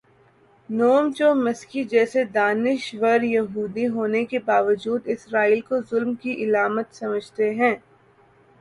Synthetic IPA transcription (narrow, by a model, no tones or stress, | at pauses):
noːmt͡ʃomɪskid͡ʒɛːsed̪aːnɪʃʋəɾjɐɦuːd̪iɦoːnekebaːʋəd͡ʒuːd̪ɪsɾaːiːlkozʊlmkiʔɪlaːmət̪sɐməd͡ʒʱt̪eɦɛ̃ː